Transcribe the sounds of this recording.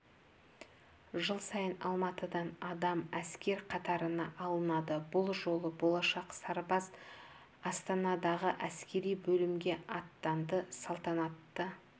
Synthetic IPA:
ʒəlˠsɑjənɑ̰lˠmɑt̪əd̪ɑnɑd̪ɑmæskʲe̞ɾqʰɑt̪ɑɾənɑʔɑlˠənɑd̪əbʊlˠʒo̞lˠəbo̞lˠɑʃɑqsɑɾbɑz | ɑst̪ɑnɑd̪ɑʁəʔæskʲe̞ɾijbɵlɪmɡʲe̞ɑt̪ːɑnd̪əsɑlˠt̪ɑnɑt̪ːə

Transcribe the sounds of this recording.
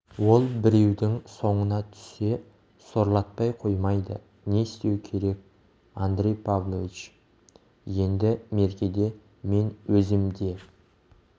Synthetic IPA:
wo̞lˠbɪɾe̞wd̪ɪŋso̞ɴənɑt̪ʰʏ̥se̞ | so̞ɾlˠɑt̪̚pɑjqʰo̞jmɑjd̪ə̰ | ne̞ɪst̪e̞wkʲʰe̞ɾe̞k̚ | and̪ɾejpʰavlˠovit͡ʃ | je̞nd̪ɪme̞ɾkʲe̞d̪e̞ | me̞nwɵzɪmd̪e̞

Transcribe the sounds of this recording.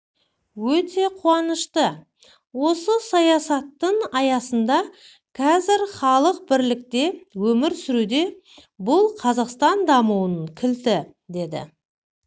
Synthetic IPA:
wɵt̪e̞qʰuwɑnəʃt̪ə | wo̞səsɑjɑsɑt̪ːəɴɑjɑsənd̪ɑ | kʰɑzɪɾχɑlˠəq̚bɪɾlɪk̚t̪e̞wɵmɪɾsʏɾud̪e̞ | bʊlˠqʰɑzɑqst̪ɑnd̪ɑmuwənəɴkʲʰɪlt̪ɪ | d̪e̞d̪ɪ̰

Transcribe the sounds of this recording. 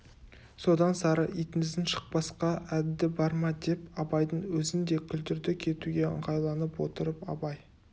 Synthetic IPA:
so̞d̪ɑnsɑɾəʔijt̪ɪnɪzd̪ɪnʃə̥q̚bɑsqɑʔæd̪ːɪbɑɾmɑd̪e̞pɑbɑjd̪əɴwɵzɪnd̪e̞kʲʰʏld̪ɪɾd̪ɪkʲʰe̞t̪uɡʲe̞ə̰ɴʁɑjlˠɑnəpwo̞̰t̪əɾəpɑ̰bɑj

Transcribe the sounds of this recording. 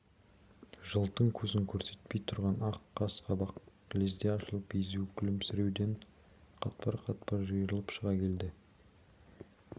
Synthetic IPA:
ʒəlˠt̪əɴkʲʰɵzɪŋkʲʰɵɾse̞̥t̪̚pe̞jt̪ʰʊɾʁɑnɑqːɑsqɑbɑq | lezd̪eɑʃəlˠəpejzuwkʲʰɪlɪmsɪɾe̞wd̪e̞ɴ | qʰɑt̪̚pɑɾqʰɑt̪̚pɑɾʒəjɾəlˠəpʃəʁɑkʲʰe̞ld̪ɪ

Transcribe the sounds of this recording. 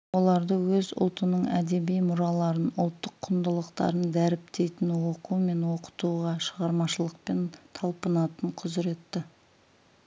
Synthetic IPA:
wo̞lˠɑɾd̪əwɵzʊ̰lˠt̪ənəɴæ̰d̪e̞bijmʊɾɑlˠɑɾənʊlˠt̪ːəqʰːʊnd̪əlˠəqt̪ɑ̰ɾənd̪æɾɪpt̪e̞jt̪ɪnwo̞qume̞nwo̞qə̥t̪uʁɑʃəʁɑɾmɑʃəlˠəq̚pe̞nt̪ʰɑlˠpənɑt̪əɴqʰʊzɪɾe̞t̪ːɪ

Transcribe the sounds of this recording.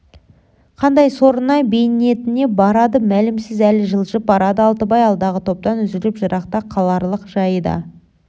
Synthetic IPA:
qʰɑnd̪ɑjsoɾənɑjbe̞jne̞t̪ɪne̞bɑɾɑd̪əmælɪmsɪzælɪʒəlˠʒəp̚bɑɾɑd̪əɑlˠt̪əbɑjɑlˠd̪ɑʁət̪ʰo̞p̚t̪ɑnʏzɪlɪpʒəɾʔɑqt̪ɑqʰɑlˠɑɾlˠəqʒɑjəd̪ɑ̰

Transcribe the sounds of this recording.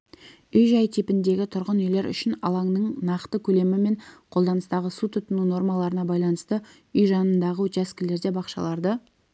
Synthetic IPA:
ʏjʒɑjt̪ʰipɪnd̪e̞ɡʲɪt̪ʰʊɾʁənʏjle̞ɾʏ̰ʃɪnɑ̰lˠɑŋnəɴnɑqt̪əkʲʰɵle̞mɪme̞ɴqʰo̞lˠd̪ɑnəst̪ɑʁəsut̪ʰʊt̪ənuno̞ɾmɑlˠɑɾənɑbɑjlˠɑnəst̪ə | ʏjʒɑnənd̪ɑʁəwɵt̪jɑskʲɪle̞ɾd̪e̞bɑqʃɑ̰lˠɑɾd̪ə

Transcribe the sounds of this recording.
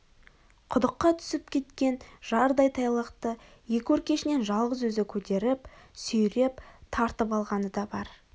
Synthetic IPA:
qʰʊd̪əqːɑt̪ʰʏ̥sɪpkʲʰe̞t̪kʲe̞nʒ̥ɑɾd̪ɑjt̪ʰɑjlˠəqt̪ə | je̞kʲɪwɵɾkʲe̞ʃɪne̞nʒɑlˠʁəzwɵzɪkʲʰɵt̪e̞ɾɪpsɵjɾept̪ʰɑɾt̪əpɑlˠʁɑnəd̪ɑbɑɾ

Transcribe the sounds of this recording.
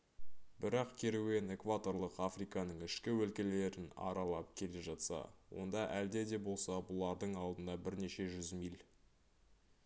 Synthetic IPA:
bɪɾɑqkʲʰe̞ɾuwe̞ne̞kvat̪o̞ɾlˠəqafrijkɑnəɴɪʃkʲɪwɵlkʲele̞ɾɪnɑ̰ɾɑlˠɑp̚kʲʰe̞le̞ʒɑt̪sɑ̰wo̞̰nd̪ɑʔæld̪e̞d̪e̞bo̞lˠsɑbʊlˠɑɾd̪əɴɑlˠd̪ənd̪ɑbɪɾne̞ʃe̞ʒʏzmijl

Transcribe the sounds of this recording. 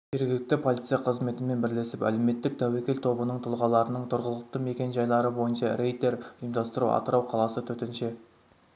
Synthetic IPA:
ʒe̞ɾɡʲɪlɪk̚t̪ɪpʰo̞lʲˠit̪sijɑqʰəzme̞t̪ɪme̞nbɪɾle̞sɪpæ̰le̞me̞t̪ːɪk̚t̪ʰæwe̞kʲe̞lt̪ʰo̞bənəɴt̪ʰʊlˠʁɑlˠɑɾənəɴt̪ʰʊɾʁəlˠəq̚t̪əme̞kʲe̞nʒɑjlˠɑɾəbo̞jənʃɑre̞jt̪e̞ɾʒijmd̪ɑst̪əɾṵʔɑ̰t̪əɾɑwqʰɑlˠɑsət̪ʰɵt̪enʃe̞

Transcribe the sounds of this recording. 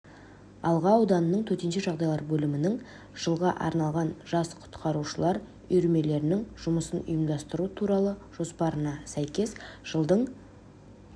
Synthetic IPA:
ɑlˠʁɑːwd̪ɑnənəɴt̪ʰɵɾt̪e̞nʃe̞ʒɑʁd̪ɑjlˠɑɾbɵlɪmɪnɪŋ | ʒ̥əlˠʁɑʔɑ̰ɾnɑlˠʁɑnʒ̥ɑsqʰʊ̥t̪qʰɑɾuʃəlˠɑɾ | ʏ̰jɾme̞le̞ɾɪnɪŋʒ̥ʊməsənʊ̰jəmd̪ɑst̪əɾuət̪ʰuɾɑlˠəʒ̥o̞spɑɾənɑsæjkʲe̞sʒ̥əlˠd̪əɴ

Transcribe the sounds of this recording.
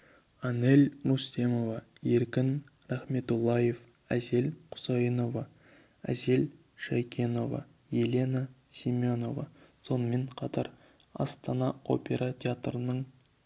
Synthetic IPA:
ɑne̞lʲɾust̪e̞mo̞vɑ | je̞ɾkʲɪn | ɾæχme̞t̪ulˠːɑje̞f | æze̞lqʰʊ̥zɑjəno̞vɑ | æ̰ze̞l | ʃajkʲʰe̞no̞vɑ̰ | je̞le̞na | sʲimʲo̞no̞vɑ̰so̞nəme̞ɴqʰɑt̪ɑɾ | ɑ̰st̪ɑnɑo̞̰pʲe̞ɾat̪ʲʰeat̪rənəɴ

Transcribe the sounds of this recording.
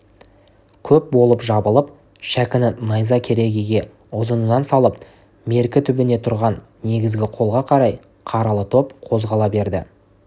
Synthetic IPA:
kʲʰɵp̚bo̞lˠəpʒɑbəlˠəp̚ | ʃækʲɪnɪnɑjzɑkʲʰe̞ɾe̞ɡʲiɡʲe̞ | ʊzənunɑnsɑlˠəp̚ | me̞ɾkʲɪt̪ʰʏbɪne̞t̪ʰʊɾʁɑnːe̞ɡʲɪzɡʲɪqʰo̞lˠʁɑqʰɑɾɑj | qʰɑɾɑlˠət̪ʰo̞pqʰo̞zʁɑlˠɑbe̞ɾd̪ɪ

